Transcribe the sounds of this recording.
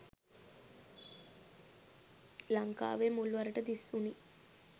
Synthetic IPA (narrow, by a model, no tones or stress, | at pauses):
laŋka̰ːʋemulʋɐɾəʈəd̪isuni